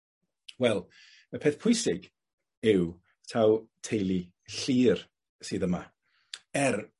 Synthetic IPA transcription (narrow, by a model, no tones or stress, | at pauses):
wɛlˠ | əpʰeːθpʰʊjsɪɡ | ɪw | tʰawtʰejli | ɬiːr | sɨːðəma | ɛr